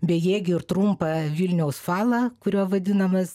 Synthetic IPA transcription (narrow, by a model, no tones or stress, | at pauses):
bʲɛjɛːɡʲɪɪɾt̪ɾumpɐʋʲilʲnʲɛʊsfɑːlˠɐkʊɾʲuɔʋɐd̪ʲɪnɐmɐs